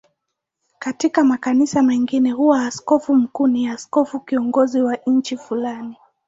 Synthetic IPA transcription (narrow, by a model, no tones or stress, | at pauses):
katikamakanisamɛŋɡinɛhuwaːskɔfum̩kuːniaskɔfukiɔŋɡɔziwaɲ̩t͡ʃifulani